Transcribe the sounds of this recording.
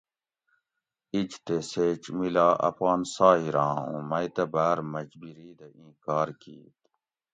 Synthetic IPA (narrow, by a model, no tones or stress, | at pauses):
id͡ʑt̪eseːt͡ʃmilaːʔɐ̰fɣaːnsaːɦiɾãːṵ̃mɐjt̪ɐbaːɾmɐd͡ʑbiɾiːd̪ɐĩːkaːɾkḭːt̪